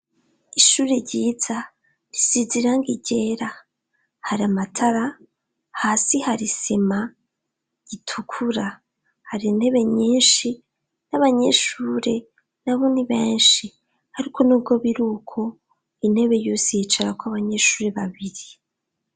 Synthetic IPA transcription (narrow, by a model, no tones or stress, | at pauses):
iʃuːɾeɾɟiːz̥a | ɾisiziɾaŋɡiɟe̞ɾa | haɾiamatʰaɾa | haːsihaɾisema | ɟ̥itʰukʰuɾa | haɾin̥e̞βe̞ɲiːnʃi | naβaɲe̞ʃuːɾe̞ | naβoniβe̞ːnʃi | haɾikʰo̞nuːb̚ɡo̞βiɾukʰo̞ | in̥e̞βe̞joseet͡ʃaɾakwaβaɲeʃuːɾe̞βaβiɾi